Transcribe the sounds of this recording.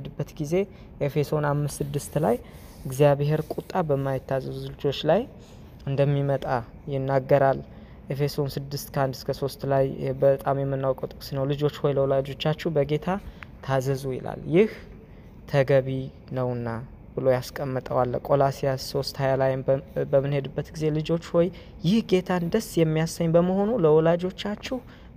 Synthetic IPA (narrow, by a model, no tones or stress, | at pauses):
d̪ɨbːət̪ɡize̞ | ʔefe̞sonamːɨst̪sɨd̪ːɨst̪laj | ɨɡzijaβeɦeɾkʷʼut̪ʼːabəmːajɪt̪ːazəzuzɨlt͡ʃo̞t͡ʃːlaj | ɨnd̪əmːimət̪ʼa | jɪnːaɡːəɾal | ʔefe̞sonsɨd̪ːɨst̪kʰəand̪ɨskʰəso̞st̪lajbət̪ʼamjɛmːɨnːawkʼət̪ʼɨkʼsnəwlɨd͡ʒo̞t͡ʃːho̞jləwlad͡ʒo̞t͡ʃːat͡ʃːɛbəɡe̞t̪ʰat̪ʰazəzujɪ̰la̰ljɪh | t̪ʰəɡəβi | nəwɨnːa | b̥ɨlo̞jaskʼəmːət̪ʼəwalːkʼo̞lasijaso̞st̪hajalajbəmːɨnhe̞d̪ɨbːət̪ɡize̞lɨd͡ʒo̞t͡ʃːhoj | jɪhɡe̞t̪ʰand̪əsjɛmːijasəɲːbəməho̞nuləwɔlad͡ʒo̞t͡ʃːat͡ʃːɛh